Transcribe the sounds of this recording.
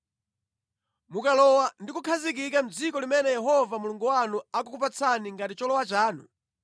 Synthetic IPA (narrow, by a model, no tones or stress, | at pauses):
mukalɔwandikukʰazikikam̩d͡zikɔlimɛnɛjɛɦɔvamuluŋɡuwanuakukupat͡sʰaniŋɡatit͡ʃɔlɔwat͡ʃaːnṵ